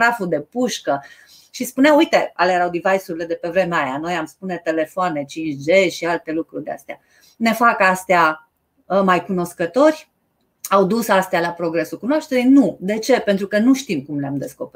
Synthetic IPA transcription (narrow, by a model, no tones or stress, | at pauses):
ɾafud̪e̞puʃkə | ʃispuneawujt̪e̞alejeɾawd̪ivajsuɾile̞d̪e̞pe̞vɾe̞meajano̞jamspune̞t̪e̞le̞foane̞t͡ʃint͡ʃd͡ʒeʃialt̪e̞lukɾurd̪ea̰st̪ea̰ | ne̞fakast̪ea | əmajkuno̞skət̪o̞rʲ | awd̪usast̪ealapɾo̞ɡɾe̞sukunoaʃt̪eɾijnud̪e̞t͡ʃe̞pent̪ɾukənuʃt̪imkumleamd̪e̞sko̞peɾ